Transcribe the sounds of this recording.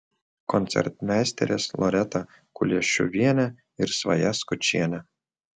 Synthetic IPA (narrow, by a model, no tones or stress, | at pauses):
kɔnt̪sʲɛ̰ɾt̪mʲæːsʲt̪ʲɛ̰ɾʲeslˠɔ̰ɾʲɛt̪ɐ | kʊlʲiɛʃʲṵʋʲiɛnʲæ | ɪɾsʋɐ̰jæskʊt͡ʃʲiɛnʲɛ